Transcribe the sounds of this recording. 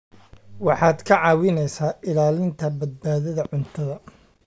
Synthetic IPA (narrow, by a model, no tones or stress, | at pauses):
wɑħɑːd̪kʰɐʕɑːwɪnɛjsaːʔɪlaːlɪnt̪ʰɐbɐd̪̚baːðɐðɐʕʊnt̪ʰɐðɐ